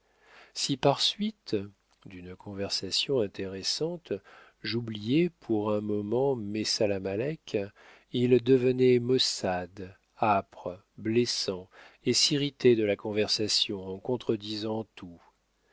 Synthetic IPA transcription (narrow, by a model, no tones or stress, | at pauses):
sipaʁsɥit̪ | d̪ynkʰɔ̃vɛʁsasjɔ̃ɛ̃t̪eʁɛsɑ̃t̪ | ʒublijɛpʰuʁɛ̃mɔmɑ̃mesalamalɛk | ild̪əvənɛmɔsad̪ | apχ | blesɑ̃esiʁit̪ed̪əlakɔ̃vɛʁsasjɔ̃ɑ̃kɔ̃t̪χəd̪izɑ̃t̪ʰu